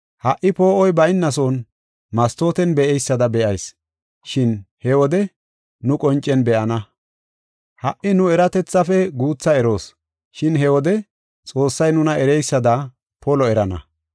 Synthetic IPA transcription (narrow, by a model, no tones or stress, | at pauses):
hɐʔɪpo̞ːʔɔjbɐɪnːɐs̬o̞ːn | mɐst̪o̞ːt̪ɛnbɛʔɛjsːɐd̪ɐbɛʔɐjs | ʃɪnhɛwɔd̪ɛ | nʊkʼɔnt͡ʃʼːɛnbɛʔɐnɐ | hɐʔɪnʊɛɾɐt̪ɛt͡sːɐfɛɡuːt͡sːɐɛɾo̞ːs | ʃɪnɦɛwɔd̪ɛ | t͡sʼo̞ːsːɐjnʊnɐʔɛɾɛjsːɐd̪ɐ | pɔlɔɛɾɐnɐ̰